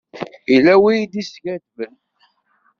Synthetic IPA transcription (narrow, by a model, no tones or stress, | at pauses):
ilːæwijd̪isɡædvən